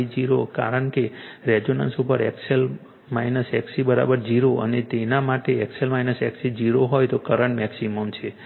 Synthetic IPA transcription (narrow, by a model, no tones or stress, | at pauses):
d͡ʒiɾoka̰ɾəɳkeɾɛd͡ʒonə̰nsupəɾɛ̰ksel | mainəsɛksibəɾa̰bəɾd͡ʒiɾoə̰net̪enamaʈeɛkselmajnəsɛksid͡ʒiɾoɦojt̪okəɾəɳʈmɛksiməmt͡ʃʰe